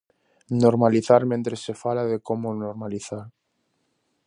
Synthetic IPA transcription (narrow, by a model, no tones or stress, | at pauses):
noɾmaliθaɾmẽnt̪ɾesːefalaðekomonoɾmaliθaɾ